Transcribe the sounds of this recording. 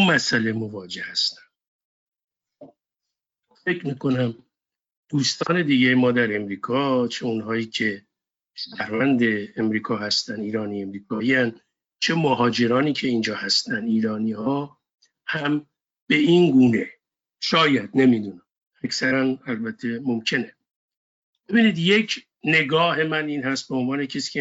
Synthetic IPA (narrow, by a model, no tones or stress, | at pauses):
mæsælemovɒːd͡ʒe̞hæst̪æ̥n | fe̞cʰɾmiːkʰo̞næm | d̪̥uːst̪ɒːne̞d̪iːɟejemɒːd̪æɾe̞mɾiːkʰɒːt͡ʃʰe̞unɦɒːjiːcʰe̞ | ʃæhɾvænd̪e̞ːmɾiːkʰɒːhæst̪æniːɾɒːniːe̞mɾiːkʰɒːiæn | t͡ʃʰe̞moɦɒːd͡ʒe̞ɾɒːniːcʰe̞iːnd͡ʒɒːhæst̪ænd̪iːɾɒːniːhɒː | hæm | b̥e̞inɡuːne̞ | ʃɒːjæd̪ne̞mid̪unæm | æcʰsæɾænælbæt̪ʰːe̞mo̞mcʰe̞ne | b̥e̞biniːd̪je̞cʰ | ne̞ɡɒːɦe̞mæniːnɦæst̪̚beonvɒːne̞cʰesi̥ːcʰe